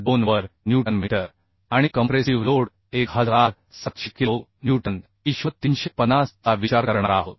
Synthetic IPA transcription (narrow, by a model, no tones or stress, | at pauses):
bonʋəɾnjuʈənmiʈəɾ | aɽ̃ikəmpɾesiʋloɽ | ekɦəd͡zɾaɾ | sət̪ɕikionjuʈən | iɕʋət̪inɕepənast̪aʋit͡ɕaɾkəɾɳa̰ɾaɦot̪̚